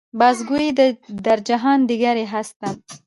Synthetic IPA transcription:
bɑs̬ɡuid̪əd̪aɾd͡ʒaɦɑnd̪iɡaɾeɦast̪am

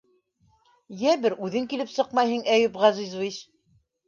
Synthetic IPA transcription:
jæbɘɾʔʉðɘŋkilɘpsɤqmɑjɦɤŋæjupʁɑzizviʃ

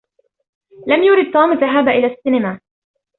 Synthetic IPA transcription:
lamjʊɾɪd̪̚t̪ˤuːmðaɦaːbaʔɪlaːsːɪnɪmaː

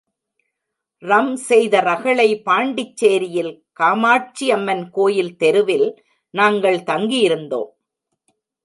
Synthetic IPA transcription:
rɐmsɛjðɐɾɐɣɐɭɐɪpaːɳɖɪt͡ʃːeːɾɪjɪlkaːmaːʈ̚t͡ʃiɐmːɐnkoːjɪlt̪ɛɾɯʋɪl | naːŋɡɐɭt̪ɐŋɡijɪɾɯnd̪o̰ːm

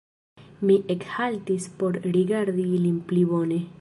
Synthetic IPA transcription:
miʔekhalt̪ispo̞ɾɾiɡaɾd̪ilinplibo̞ne̞

